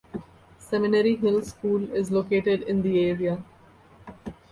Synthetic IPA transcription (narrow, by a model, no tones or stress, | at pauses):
sɛmɪneɾiɦɪlskuːlɪzloːkeːʈɪɖɪ̃nd̪ieːɾia